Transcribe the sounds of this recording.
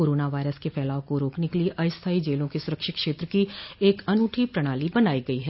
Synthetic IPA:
koːɾoːnaʋaːɪɾəskepʰɛːlaːʋkoɾoːknekeliʔɐɪst̪ʰaːid͡ʒeːlõkesʊɾəkʃɪkʃeːt̪ɾəkieːkɐnuːʈʰipɾəɽ̃aːlibənaːiɡɐiɦɛː

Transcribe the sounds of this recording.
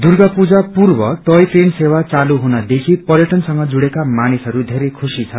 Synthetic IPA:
d̪urɡapud͡zapurbʌʈʌjprensewat͡saluɦunʌd̪ekʰipʌrjʌʈʌnsʌŋɡʌd͡zuɽekamanisʌɾud̪ʱeɾekʰusit͡sʰʌ

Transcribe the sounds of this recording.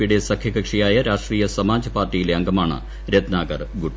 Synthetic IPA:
iɽesɐkʰjɐɡɐkʂijaːjɐɾaːʂʈriːjɐsɐmaːd͡ʑɐpaːrtːijileɐŋɡɐmaːɳɐ̰ | ɾed̪naːɡɐrɡuʈː

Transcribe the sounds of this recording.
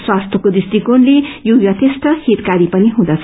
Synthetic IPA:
swast̪ʰʌkod̪ist̪ikonlejojʌt̪est̪ʌhit̪kaɾipʌniɦũd̪ʌt͡sʰ

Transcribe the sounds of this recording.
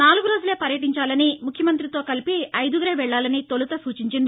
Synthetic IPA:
naːluɡuɾo̞ːd͡ʒule̞ːpɐɾjɐʈiɲt͡ʃaːlɐnimukʰjɐmɐnt̪ɾit̪o̞ːkɐlipiɐjd̪uɡɐɾeːʋɛɭːaːlɐnit̪o̞lut̪ɐsuːt͡ʃiɲt͡ʃind̪i

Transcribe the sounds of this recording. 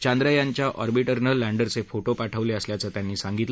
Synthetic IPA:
t͡ɕãnd̪ɾajãɲt͡ɕjaʔɔɾbiʈəɾnəlːãɳɖəɾt͡sefoʈopaʈʰəʋleəsljat͡sət̪janːiːsaŋɡit̪lə

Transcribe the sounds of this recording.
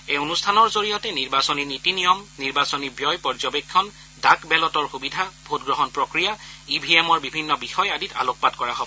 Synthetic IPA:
eonustʰanɔɹzoɹijɔtɛniɹbasɔninitinijɔmniɹbasɔnibjɔjpɔɹzɔbekʰːɔn | dakbɛlɔtɔɹxubidʱabʱotɡɹɔɦɔnpɹɔkɹijaibʱiemɔɹbibʱinːɔbixɔjadita̰lok̚patkɔɹaɦɔb

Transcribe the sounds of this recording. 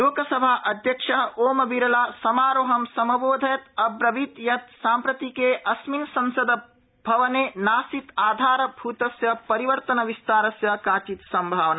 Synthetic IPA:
loːkɐsɐbʱaːʔɐd̪ʱjɐkʂɐɦɐoːmɐbiɾɐlaːsɐmaːɾoɦɐmsɐmɐboːd̪ʱɐjɐt̪ɐbɾɐʋit̪jɐt̪saːmpɾɐt̪ikeːʔɐsminsɐnsɐd̪ɐ | bʱɐʋɐneːnaːsit̪aːd̪ʱaːɾɐbʱuːt̪ɐsjɐpɐɾiʋɐɾt̪ɐnɐʋist̪aːɾɐsjɐkaːt͡ʃit̪sɐmbʱaːʋɐnɐ

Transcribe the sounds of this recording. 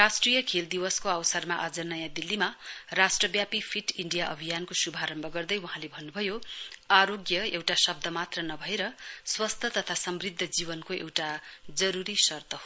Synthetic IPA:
rasʈrijʌkʰeld̪iwʌskoawsʌrmaʔad͡zʌnʌjãd̪ilːimarasʈrʌbjapipʰiʈiɳɖijaʔʌ̰bʱijankosubʱaɾʌmbʱʌɡʌrd̪ʌjwuɦãlebʱʌnːubʱʌjoaɾoɡjʌewʈasʌb̚d̪ʱʌmat̪rʌnʌbʱʌeɾʌswʌst̪ʰʌt̪ʌt̪ʰasʌmrid̪ʱːʌd͡zibʌnkoʔḛwʈad͡zʌɾuɾisʌrt̪ʰʌɦo

